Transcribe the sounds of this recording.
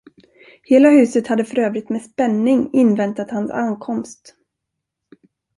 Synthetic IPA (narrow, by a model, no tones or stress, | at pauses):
heːlahʉ̟ːsət̪had̪ːəfœɾøːvɾɪt̪mɛspɛnːɪŋɪnvɛnt̪at̪hansankʰɔmst̪